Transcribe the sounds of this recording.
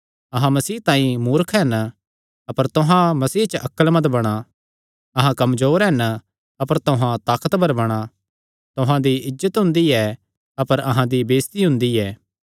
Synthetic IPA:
ɐɦãmɐsiːɦt̪ãːĩmuːɾkʰɦɛn | ɐpəɾt̪ʊɦãmɐsiːɦt͡ʃəʔɐkːəlmɐd̪bɐɽ̃a | ɐɦãkɐmd͡ʒoːɾɦɛn | ɐpəɾt̪oɦãt̪aːkət̪bɐɾbɐɽ̃a | t̪ʊɦãd̪iɪd͡ʒzət̪ɦʊ̃nd̪iɛ | ɐpəɾɐɦãd̪ibeːst̪iɦʊ̃nd̪iɛː

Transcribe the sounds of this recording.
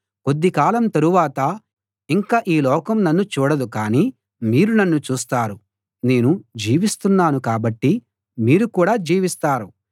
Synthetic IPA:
ko̞d̪ːikaːlɐmt̪ɐɾuʋaːt̪ɐ | iŋkaːʔiːlɔːkɐmnɐnːut͡ʃuːɽɐd̪ukaːniː | miːɾunɐnːut͡ʃuːst̪aːɾu | ne̞ːnud͡ʒiːʋist̪unːaːnukaːbɐʈːi | miːɾukuːɽaːd͡ʒiːʋist̪aːɾu

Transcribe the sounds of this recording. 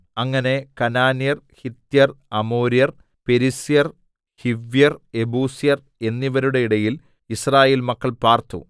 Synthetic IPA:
ɐŋːɐne̞kɐnaːnijɐr | hit̪jɐrɐmoːɾijɐr | pe̞ɾisijɐr | hiʋjɐre̞buːsijɐr | e̞nːiʋɐɾuɽe̞iɽɐjil | israːje̞ːlmɐkːɐɭpaːrt̪ṵ

